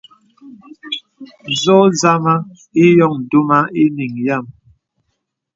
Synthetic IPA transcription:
zɔ˦za˦ma˦ | i˦jɔ˦˨ŋ˨du˦ma˦i˦ni˨ŋja˦˨m

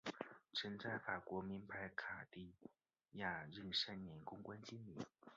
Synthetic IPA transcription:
ʈ͡ʂʰə˧˥nt͡sa˥˩ɪfa˨˩kwɔ˧˥mi˧˥npa˧˥ɪkʰa˨˩t̪i˥˩ | ja˥˩ɻə˥˧˩nʂa˥˩nnjɛ˧˥nkʊ˥ŋkwa˥nt͡ɕi˥nlḭ˨˩˦

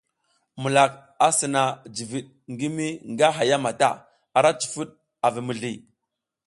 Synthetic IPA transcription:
mu˨la˨k | a˦sə˨na˨d͡ʒi˨vi˨ɗ | ŋɡi˦mi˦ŋɡa˦ɦa˨ja˦ma˨ta˦ | a˨ɾa˦t͡ʃi̥˨fu˦ɗ | a˨vi˨mə˨ɮi˨

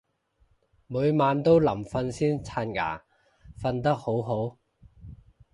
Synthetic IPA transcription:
muː˨˧jmaː˨˧nt̪o˥wlɐ˨˩mfɐ˧nsiː˥nt͡sʰaː˧nŋa̰ː˨˩ | fɐ˧nt̪ɐ˥k̚ho˨˥wɦo˨˥w

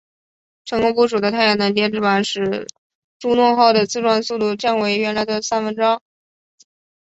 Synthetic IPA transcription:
ʈ͡ʂʰɤ˧˥ŋkɔ˧˥pu˧˥ʂu˨˩d̪ə˦t̪ʰa˥˩jɑ˧˩nə˧˥nt̪jɛ˥nʈ͡ʂɻ̩˥˩a˨˩nʂɻ̩˧˥˩ | ʈ͡ʂu˥nwʊ˥˧ŋxɑ˥˩ʊd̪ə˩t͡sɹ̩˥˧ʈ͡ʂwa˥˧nsu˥˧t̪u˥˧t͡ɕja˥˩nwe˧˥ɪɥɛ˧˥nla˧˥ɪd̪ə˨sa˥nfə˧˥nʈ͡ʂɑ˥ŋ

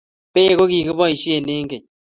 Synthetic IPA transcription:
pe˦e˨ko˦ki˨kɪ˦bɔ˦i˨ʃi˦e˨ne˦ŋ̩˦ke˨ɲ

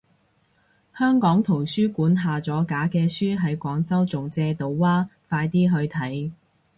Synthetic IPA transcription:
hœː˥ŋkɔː˨˥ŋt̪ʰo˨˩wsyː˥kuː˨˥nɦaː˨t͡sɔː˨˥kaː˨˥kɛː˧syː˥ɦɐ˨˥jkʷɔː˨˥ŋsɐ˥wt͡sʊ˨ŋt͡sɛː˧t̪o˨wwaː˥faː˧jt̪iː˥ɦɵ˧ɥt̪ʰɐ˨˥j

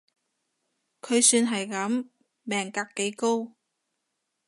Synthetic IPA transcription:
kʰɵ˨˧ɥsyː˧nɦɐ˨jkɐ˨˥m | mɛː˨˩ŋkaː˧kːe˨˥jko˥w

